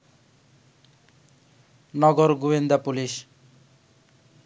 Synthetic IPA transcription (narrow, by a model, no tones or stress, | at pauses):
nɔɡɔɾɡuwind̪apulis